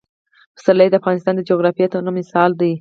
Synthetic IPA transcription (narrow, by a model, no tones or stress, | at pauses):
pə̥saɾlajd̪əafɣɑnɪst̪ɑnd̪əd͡ʒoɣɾɑfijet̪onomɪsɑld̪aj